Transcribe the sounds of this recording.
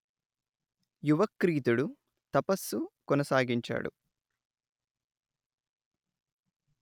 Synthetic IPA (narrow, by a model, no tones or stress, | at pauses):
juʋɐkɾiːt̪uɽu | t̪ɐpɐsːukɔnɐsaːɡiɲt͡ʃa̰ːɽṵ